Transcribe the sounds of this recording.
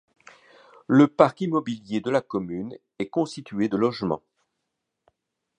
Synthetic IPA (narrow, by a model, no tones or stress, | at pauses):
ləpaʁkimɔbiljed̪əlakɔmyn | ɛkɔ̃st̪it̪ɥed̪əlɔʒmɑ̰̃